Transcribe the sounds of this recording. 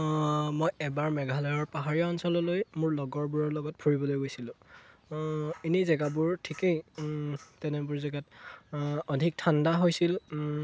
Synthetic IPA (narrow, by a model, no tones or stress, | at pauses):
mojɛbaɹmɛɡʱalɔjɔɹpaɦaɹiɔɔnsɔlɔlojmʊɹlɔɡɔɹbuɹɔɹlɔɡɔt̚pʰuɹibɔlojɡojsilʊ̃ | inizɛɡabʊɹtʰikej | tɛnɛbʊɹzɛɡat | ɔdʱik̚tʰandaɦojsil